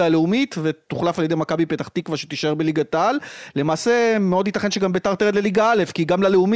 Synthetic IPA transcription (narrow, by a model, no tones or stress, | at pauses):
aleumitvet̪uχlafaljede̞jmakabipe̞taχt̪ikvaʃe̥t̪iʃae̞ʁbe̞liɡatalle̞maːse̞meo̞d̪itaχenʃeɡambetaʁt̪eed̪leliɡaale̞fkiɡamlaleumi